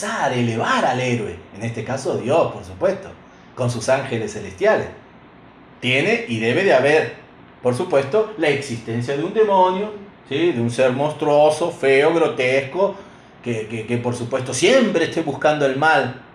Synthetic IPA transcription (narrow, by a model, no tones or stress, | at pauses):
saɾeleβaɾaleɾweːnest̪ekasoðjospoɾsupwest̪o | ko̞ns̬usaŋxelesːelest̪jalḛs | t̪jeneʔiðeβeðeaβeɾ | poɾsupwe̞st̪olaeksist̪ensjaðeund̪e̞mõnjo | siðeunseɾmõnst̪ɾwosofeoɣɾo̞t̪esko | kekekepoɾsupwest̪o̞sjempɾeːst̪eβuskand̪oe̞lmal